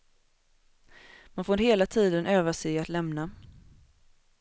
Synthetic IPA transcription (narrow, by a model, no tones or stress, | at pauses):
manfoːɾɾheːlat̪ʰiːd̪ənʔøːvasɛat̪lɛmna